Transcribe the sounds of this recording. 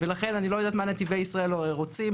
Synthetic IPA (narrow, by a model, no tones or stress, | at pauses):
elaχe̞nanilo̞jod̪aːt̪manet̪ivejisʁaelʁo̞t͡si